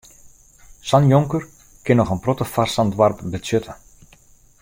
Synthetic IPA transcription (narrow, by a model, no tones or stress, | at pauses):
sɑnjɔŋkər | kɪnɔxənprɔtəfarsandʋarpbəøtʰə